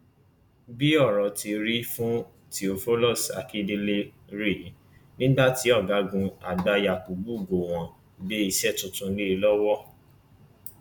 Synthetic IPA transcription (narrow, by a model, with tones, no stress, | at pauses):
bi˦ɔ˦˨ɾɔ˨tʰi˧ɾi˦fũ˦ | ti˧o˧fo˦lɔ˦˨sa̰˨ki˦de˧le˦ | ɾi˦˨˦ | nĩ˦ba˦˨ti˨˦ɔ˦˨ɡa˨˦ɡũ˧a̰˨da˧˦ja˨k͡pu˨ɡ͡bu˦˨ɡo˨w̃ɔ̃˨ | be˨˦i˧ʃɛ˦˨tũ˨tũ˧ni˦˧lɔ˦wɔ˦